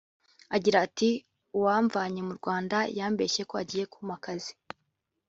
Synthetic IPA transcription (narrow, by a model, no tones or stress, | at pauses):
aɟiɾaːti | uwaːɱvaɲe̞muɾɡwaːndajaːmbe̞ːʃe̞ko̞a̰ɟiːje̞kumakazi